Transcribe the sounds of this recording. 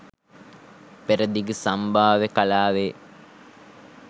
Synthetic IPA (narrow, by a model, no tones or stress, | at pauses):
peɾəd̪iɡəsambʱaːʋekalaːʋe